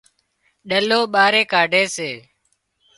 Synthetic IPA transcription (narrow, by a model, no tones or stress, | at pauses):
ɗəloːɓaːɾeːkaːɖʱeːseː